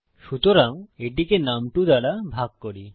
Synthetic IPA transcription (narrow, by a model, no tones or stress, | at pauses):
ʃut̪oɾaŋeʈikenamʈud̪aɽabʱaɡ̚koɽi